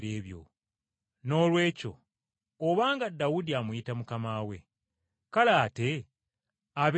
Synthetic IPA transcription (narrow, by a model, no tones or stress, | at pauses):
ɾeːβjo̰ | no̞ːlwe̞ːco̞̰ː | βaːŋɡadawudiamwuitamukamaːwe̞̰ | kalaːte̞ | aβe